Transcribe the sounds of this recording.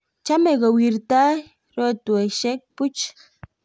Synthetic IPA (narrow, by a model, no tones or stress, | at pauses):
t͡ʃameɡowiɾt̪a | ɾot̪ueʃek̚put͡ʃ